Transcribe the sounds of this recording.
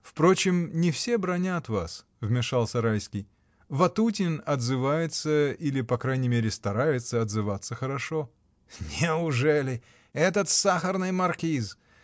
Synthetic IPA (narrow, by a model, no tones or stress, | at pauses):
fpɾo̞t͡ɕɪmnʲɪfsʲe̞bɾɐnʲat̪va̰s | vmʲɪʂalˠsʲɐɾajskʲɪj | vɐt̪ut̬ʲɪnɐd̪zɨvajɪt̪səilʲɪpɐkɾajnʲɪmʲeɾʲɪst̪ɐɾajɪt̪səɐd̪zɨvat̪sːəxəɾɐʂo | nʲɪʊʐɛlʲɪ | ɛt̪ət̪saxərnɨjmɐrkʲiz